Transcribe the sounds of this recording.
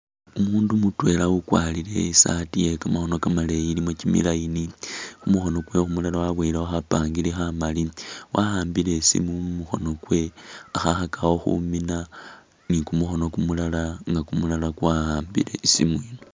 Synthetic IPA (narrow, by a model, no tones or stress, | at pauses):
umuːndumutwe̞laukwalile̞isatiekamaxo̞nokamaleilimo̞t͡ʃimḭlainixumuxo̞no̞kwe̞xumulalawaβwelawaxapaːŋɡilixamaliwʔahaːmbile̞sḭmumuxo̞̰no̞kwe̞axaxakʰawo̞xṵmina | nikumuxo̞no̞kumulalaŋɡakumulalakwahaːmbḭlḛsimwiːno